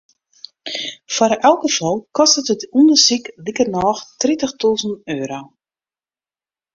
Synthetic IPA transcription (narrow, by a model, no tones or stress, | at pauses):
fwaɾʔɛlˠkəfɔlˠkʰɔstətətundəsiklikərnɔːxtritəxtuːzən̩øːɾow